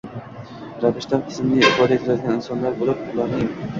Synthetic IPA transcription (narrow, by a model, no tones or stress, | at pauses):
ɾavɪʃt̪anqʰɨ̥smnɪɪfɒd̪at̪ʰɪɾad̪ɪɡʲanɪnsɒnlaɾbolˠap̚ʊlˠaɾnɪm